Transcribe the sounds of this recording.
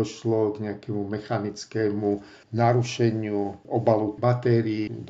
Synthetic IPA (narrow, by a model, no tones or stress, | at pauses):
ɔʃlɔɡɲɛakɛmumɛxanit͡skɛːmu | naɾuʃɛɲɪuɔbalubat̪ɛɾiːd̪